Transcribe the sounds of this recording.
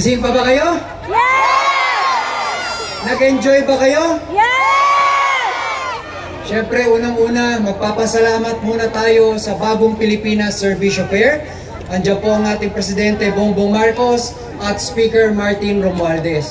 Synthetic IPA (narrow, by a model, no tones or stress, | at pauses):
sinpɐbɐkɐjo̞ | nɐɡɛnd͡ʒojbɐkɐjo̞ | ʃɛmpɾɛʔuːnɐŋʔuːnɐmɐɡ̚paːpɐsɐlaːmɐt̪̚muːnɐt̪aːjo̞sɐbaːboŋpɪlɪpiːnɐsːɛɹviʃofɛɹ | ʔɐŋd͡ʒɐnpo̞ʔɐŋʔaːt̪ɪŋpɾɛsɪd̪ɛnt̪ɛboŋbomaɹko̞s | ʔɐt̪̚spiːkɛɹmaɹt̪ɪnɾomald̪ɛs